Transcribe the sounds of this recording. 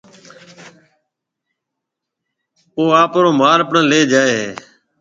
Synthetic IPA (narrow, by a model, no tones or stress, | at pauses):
oːaːpɾoːmaːɾəpɳə̃ːleːd͡ʒaːeːɦeː